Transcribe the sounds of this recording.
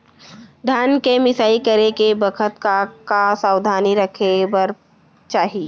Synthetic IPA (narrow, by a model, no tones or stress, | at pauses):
d̪ʱjaːnkemɪsaːikɐɾekebɐkʰət̪kakasaːwd̪ʱaːniɾɐkʰebəɾ | t͡ʃaːɦie